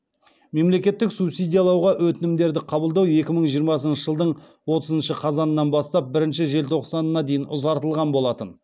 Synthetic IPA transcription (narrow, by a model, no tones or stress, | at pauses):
me̞mle̞kʲe̞t̪ːɪksupsijd̪ʲijɑlˠɑwʁɑwɵt̪ɪnɪmd̪e̞ɾd̪ɪqʰɑbəlˠd̪ɑwe̞kʲɪməɴʒijəɾmɑs̬ənʃəʒəlˠd̪əɴ | wo̞t̪əzənʃəqʰɑzɑnənɑnbɑst̪ɑp̚bɪɾɪnʃɪʒe̞lt̪ʰo̞qsɑnəːɑd̪e̞jɪnʊzɑɾt̪əlˠʁɑnbo̞lˠɑt̪ən